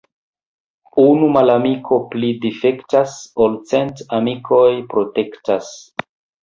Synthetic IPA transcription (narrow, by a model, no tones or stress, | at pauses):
unumalamikʰo̞plidife̞ktasolt͡sentamikʰo̞jpɾo̞te̞ktas